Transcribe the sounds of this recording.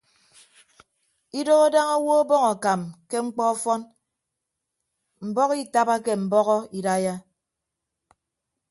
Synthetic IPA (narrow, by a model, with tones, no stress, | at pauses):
i˦do˦ɣo˦da˦ŋɔ˦wo˦bɔ˦ŋɔ˨ka˨mke˦ŋ͡m̩˦k͡pɔ˦ɔ˦fɔ˦n | m̩˨bɔ˦ki˦ta˦ba˦ke˦m̩˨bɔ˦ɣɔ˦i˨da˦ja˦